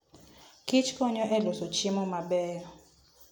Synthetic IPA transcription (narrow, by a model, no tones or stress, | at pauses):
kʰit͡ʃʰkɔɲɔʔɛlɔsot͡ʃʰimɔmaɓɛːɾɔ